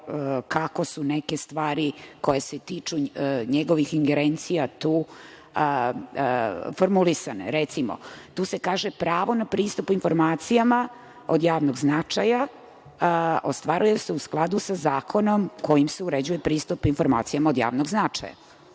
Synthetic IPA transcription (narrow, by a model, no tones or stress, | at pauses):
kako̞suneke̞st̪ʋaːɾiko̞jeset̪iːt͡ʃuɲeɡoʋixiŋɡeɾent̪sijat̪uː | foɾmulisanḛɾet̪simo̰t̪uːse̞kaːʒepɾaːʋo̞napɾiːst̪upuinfo̞ɾmaːt̪sijama | od̪jaːʋnoɡznat͡ʂaja | ost̪ʋaɾujeseusklˠad̪usazaːkʰo̞nomko̞jimseuɾed͡ʑujepɾiːst̪upinfo̞ɾma̰ːt̪sijamaod̪ja̰ːʋnoɡznat͡ʂa̰ja̰